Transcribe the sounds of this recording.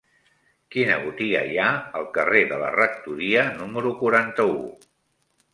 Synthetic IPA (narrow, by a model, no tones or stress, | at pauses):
kinəβut̪iɣə̰jaəlˠkəreðələ̰rək̚t̪uɾiənuməɾukuɾant̪əṵ